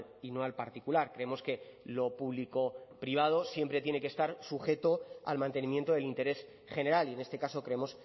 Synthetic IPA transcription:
lino̞alpaɾt̪ikulaɾkɾe̞emo̞ske̞lo̞puβliko̞pɾiβ̞að̞o̞sje̞mpɾe̞t̪je̞ne̞kest̪aɾsuxe̞t̪o̞a̰lmãnt̪e̞nĩmje̞nt̪o̞ðe̞lint̪e̞ɾe̞s | χe̞ne̞ɾalie̞ne̞st̪e̞kaso̞kɾe̞emo̞s

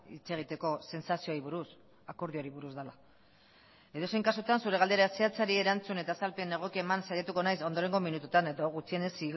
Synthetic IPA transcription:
ḭt͡se̞ɣ̞it̪e̞ko̞se̞nsasio̞ajβuɾus | ako̞ɾð̞io̞ɾiβuɾuzdala | e̞ðo̞sejŋkasut̪ansuɾe̞ɣ̞ald̪eɾaeseat͡saɾie̞ɾant͡sune̞t̪asalpe̞ne̞ɣ̞okiemansaʎat̪uko̞najso̞nd̪o̞ɾe̞ŋɡo̞minut̪ut̪ane̞ðoɣut͡sienesi

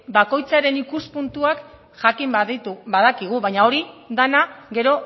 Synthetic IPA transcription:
bako̞jt͡saɾe̞nikuspunt̪uak | ʝakimðit̪ubaðakiɣ̞uβaɲao̞ɾiðanaɣe̞ɾo̞

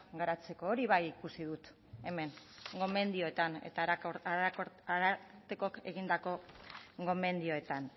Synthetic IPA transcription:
ɡaɾat͡se̞ko̞ːɾiβajikusiðut̪ | e̞me̞ŋ | ɡo̞me̞nd̪io̞et̪anḛt̪aaaaɾat̪e̞ko̞ke̞ɣind̪ako̞ɡo̞me̞nd̪io̞e̞t̪an

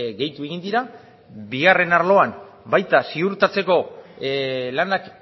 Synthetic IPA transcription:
ɣe̞jt̪ue̞ɣ̞ind̪iɾa | biɣ̞are̞naɾlo̞am | bajt̪asiuɾt̪at͡se̞ko̞ | lanak

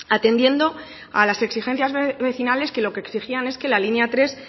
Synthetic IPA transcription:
at̪e̞nd̪je̞nd̪o̞ | a̰lase̞ksixe̞n̟θjazβe̞θinale̞ske̞lo̞keksixiane̞ske̞lalinjat̪ɾe̞s

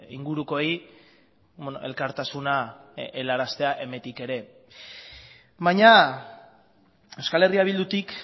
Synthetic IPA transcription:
ḭŋɡuɾuko̞ej | onoʔe̞lkaɾt̪asunaelaɾast̪e̞aʔe̞me̞nt̪ike̞ɾe̞ | βaɲa | ewskale̞riaβild̪ut̪ik

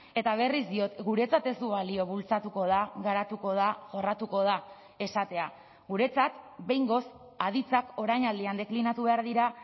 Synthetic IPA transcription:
e̞t̪aβ̞e̞rizd̪io̞t̪ɡuɾe̞t͡sat̪e̞zuβalio̞βult͡sat̪uko̞ðaɣaɾat̪uko̞ðaʝo̞rat̪uko̞ð̞a | e̞sat̪e̞a | ɣuɾe̞t͡sat̪be̞jŋɡo̞s | að̞it͡sako̞ɾajɲald̪iand̪e̞klinat̪uβe̞aɾðiɾa

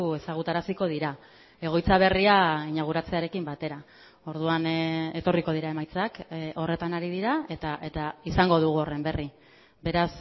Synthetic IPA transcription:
e̞saɣ̞ut̪aɾasiko̞ð̞iɾa | e̞ɣo̞jt͡saβ̞e̞riaiɲaɣ̞uɾat͡se̞aɾe̞kimbat̪e̞ɾa | o̞ɾðuane̞t̪o̞riko̞ð̞iɾae̞majt͡sako̞re̞t̪anaɾiðiɾae̞t̪aʔe̞t̪aisaŋɡo̞ð̞uɣ̞uo̞re̞mbe̞ri | be̞ɾas

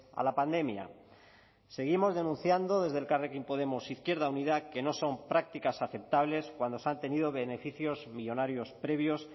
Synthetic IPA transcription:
a̰lapand̪e̞mja̰ | se̞ɣimo̞zðe̞nũn̟θjand̪o̞ðe̞zðe̞lkarekimpo̞ðe̞mosiθkje̞ɾðaunið̞ake̞no̞so̞mpɾak̚t̪ikasaθe̞p̚t̪aβle̞skwand̪o̞sant̪e̞nið̞o̞βe̞ne̞fiθjo̞zmiʎo̞naɾjo̞spɾe̞βjo̞s

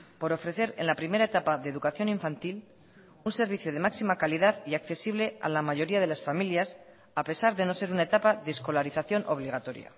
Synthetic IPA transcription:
po̞ɾo̞fɾe̞θe̞ɾe̞̰nlapɾime̞ɾaet̪apaðeðukaθjo̞niɱfant̪il | unse̞ɾβiθjoð̞e̞maksimakaliðaðiakθe̞siβ̞le̞a̰lamaʝo̞ɾiað̞e̞lasfamiljas | ape̞saɾðe̞no̞se̞ɾunae̞t̪apaðesko̞laɾiθaθjo̞nʔo̞β̞liɣ̞at̪o̞ɾja̰

